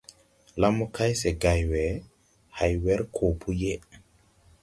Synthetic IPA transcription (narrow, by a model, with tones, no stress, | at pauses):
la˦mu˦kʰa˦jse˨ɡa˨jwe˨ | ha˨jwɛ˦ɾkʰo˨pʰu˦je˦